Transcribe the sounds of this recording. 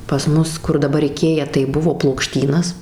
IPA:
pɐs ˈmʊs kʊr dɐˈbɐr ɪˈkʲeːjɛ tɐɪ ˈbʊʋoː plˠoːkˈʃʲtʲiːnɐs

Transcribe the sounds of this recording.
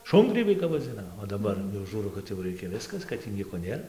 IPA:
ˈʃʊŋɡrʲiːbʲɛɪ kɐp ʋɐˈd͡zʲɪnɐ oː dɐˈbɐr jɛʊ ˈʒuːrɐʊ kɐt jɛʊ ˈrʲɛɪkʲɛ ˈʋʲɪskɐs kɐt tʲiː ˈnʲiɛkoː ˈnʲeːr

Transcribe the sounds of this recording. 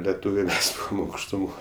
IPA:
lʲɛˈtuːʋʲɛɪ ˈmʲɛs ɐʊkʃtʊˈmoːj

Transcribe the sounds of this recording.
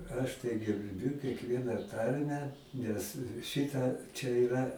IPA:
ˈɐʃ tɐɪ ɡʲɛrʲˈbʲʊ kʲɛkˈʋʲiɛnɑː ˈtɐrʲmʲæː ˈnʲɛs ˈʃʲɪtɐ t͡ʃʲɛ ɪˈrɐ

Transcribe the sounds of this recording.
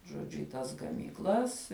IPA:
ʒoːˈd͡ʒʲʊ ɪ ˈtɐs ɡɐmʲiːkˈlˠɐs

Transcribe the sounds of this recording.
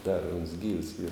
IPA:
dɐr ʊns ɡʲiːws iːr

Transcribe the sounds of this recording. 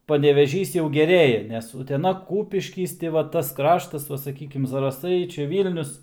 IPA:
pɐnʲɛʋʲɛˈʒʲiːs jɛʊ ɡʲɛˈrʲeːjɛ nʲɛs ʊtʲɛˈnɐ ˈkuːpʲɪʃʲkʲiːs tʲɪ ʋɐ ˈtɐs ˈkrɑːʃtɐs ˈʋɐ sɐˈkʲiːkʲɪm zɐrɐˈsɐɪ ˈt͡ʃʲɛ ˈʋʲiːlʲnʲʊs

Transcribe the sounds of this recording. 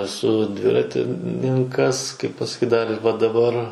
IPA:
ɛˈsʊ ˈdʲʋʲɪrɐtʲɪnʲɪŋˈkɐs ˈkɐɪp pɐsɐˈkʲiːt ˈdɐr ɪr ʋɐ dɐˈbɐr

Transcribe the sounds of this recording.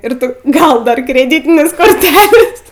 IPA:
ɪr ˈtʊ ˈɡɐlˠ ˈdɐr krʲɛˈdʲiːtʲɪnʲeːs koːrʲˈtʲæːlʲeːs

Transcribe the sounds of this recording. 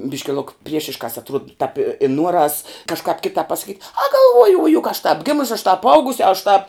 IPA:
ˈbʲɪʃʲkʲɪ lˠʊk ˈpʲrʲiɛʃʲɪʃkɑːs ɐtˈruɔt tɑːp ɪ ɪ ˈnuɔrɐs kɐʃˈkɑːp ˈkʲɪtɑːp pɐsɐˈkʲiːtʲ ɐ ɡɐlˠˈʋuɔjʊ ʊ jʊk ɐʃ tɑːp ˈɡʲɪmʊsʲɪ ɐʃ tɑːp ˈɐʊɡʊsʲ ɐʃ tɑːp

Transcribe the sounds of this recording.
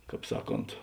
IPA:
ˈkɑːp ˈsɑːˌkoːnt

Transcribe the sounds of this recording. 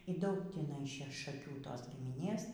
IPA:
iː ˈdɐʊk tʲiːˈnɐɪ ˈʃʲɛ ʃɐˈkʲuː ˈtoːs ɡʲɪmʲɪˈnʲeːs

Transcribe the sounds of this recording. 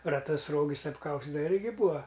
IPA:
rɐˈtʊs ˈroːɡʲɪs ɐpˈkɐʊsʲtʲɪdɐʋɐ ˈɪrʲɡʲɪ ˈbuːɐ

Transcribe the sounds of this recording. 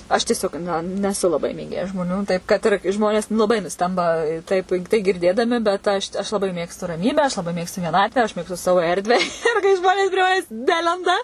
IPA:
ɐʃ tʲiɛˈsʲoːk ˈnɐ nʲɛˈsʊ lˠɐˈbɐɪ mʲeːˈɡʲeːjɛ ʒmoːˈnʲuː ˈtɐɪp kɐt ɪr ˈʒmoːnʲeːs lˠɐˈbɐɪ nʊˈsʲtʲɛmbɐ ˈtɐɪp tɐɪ ɡʲɪrʲˈdʲeːdɐmʲɪ bʲɛt ˈɐʃ ɐʃ lˠɐˈbɐɪ ˈmʲeːkstʊ rɐˈmʲiːbʲæː ɐʃ lˠɐˈbɐɪ ˈmʲeːkstʊ ʋʲiɛˈnɑːtʲʋʲæː ɐʃ ˈmʲeːkstʊ ˈsɑːʋoː ˈɛrʲdʲʋʲæː ɪr kɐɪ ˈʒmoːnʲeːs pʲrʲiɛ ˈmɑːnʲɛs ˈnʲæːlʲɛndɐ

